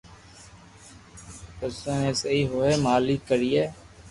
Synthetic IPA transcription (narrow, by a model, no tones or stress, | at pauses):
pəsõːnẽːseiːɦoːeːmaːlikəɾiːeː